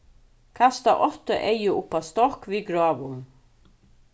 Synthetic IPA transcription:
kʰast̪aʔɔt̪əʔejɪʊpast̪ɔhkviɡɾɔːʋʊn

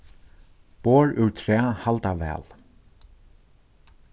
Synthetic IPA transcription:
poːɹʉɹt̪ʰɾɛːhalt̪avɛ̰ːl

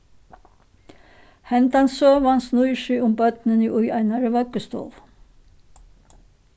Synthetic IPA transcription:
hɛnd̪ɑnsøːʋɑnsnuʏʃyːʊmbœt̪nəniːʔʉjæɪnɑɾəʋœkəst̪o̰ːʋ

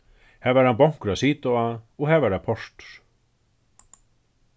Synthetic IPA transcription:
hɛvaɾ̥hanpawŋ̥kɾasiːt̪ɔaɔɣhɛvaɾapʰɔr̥t̪ɾ̥

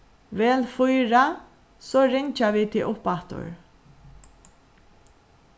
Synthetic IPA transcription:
ʋɛːlfʊjɹa | soːɾɪɲt͡ʃaʋiːt̪ʰɪʊpat̪ʊ̰ɹ

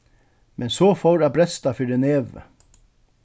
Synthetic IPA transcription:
mʔɛnsoːfoːɾæːbʰɾɛst̪ɑfʏɖəneːʋə̰

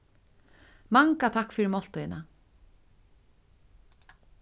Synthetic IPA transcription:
maŋkat̪ʰakːfɪɾɪmɔl̥t̪ʊjɪna

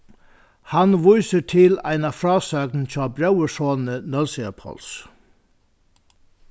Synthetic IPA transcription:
hanʋʊjsəʈʰɪlæ̰ɪnafɾɑːsœkn̩t͡ɕʰɑːbɾawəʂoːnənœlsɪapʰɔ̰ls

